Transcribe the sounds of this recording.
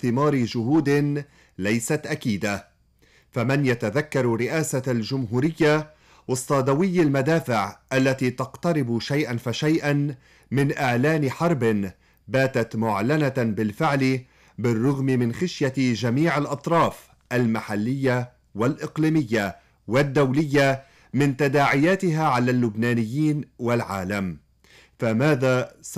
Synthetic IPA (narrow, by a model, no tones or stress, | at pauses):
θɪmɑːɾɪʒʊɦuːd̪ɪn | lajsat̪ʔakiːd̪a | famanjat̪aðakːɑɾˤɾɪʔaːsalʒʊmɦuːɾɪjːa | wɑsˤːɑːd̪awɪjːalmad̪aːfɪʕʔalːat̪iːt̪ɑqt̪ɑɾɪbʃajʔanfaʃajʔan | mɪnʔɪʕlaːnɪħɑɾˤbɪn | baːt̪at̪mʊʕlanat̪bɪlfɪʕlɪ | bɪrˤːʊɣmɪmɪnxɪʃjaʒamiːʕalʔɑt̪ˤɾˤɑːf | ʔalmaħalːɪjːa | walʔɪqliːmɪjːa | wad̪ːawlɪjːa | mɪnt̪ad̪aːʕɪjaːt̪ɪɦaʕalaːlːʊbnaːnɪjːiːnwalʕa̰ːlam | famaːða